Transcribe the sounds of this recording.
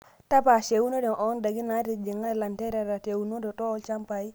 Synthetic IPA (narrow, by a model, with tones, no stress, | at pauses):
ta˦pa˨ʃe˨wu˦no˦de˨no˨˦nda˨ɡi˦na˨˦ti˨d͡ʒi˨ŋa˦˨la˨nte˦ɾa˨ɾa˨te˨wu˨no˦do˨to˦o˦lt͡ʃa˦mpa˨i˦